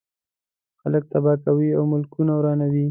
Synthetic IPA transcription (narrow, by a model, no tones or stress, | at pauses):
xalək̚t̪abɑt̪awiawmʊlkunawɾɑnawi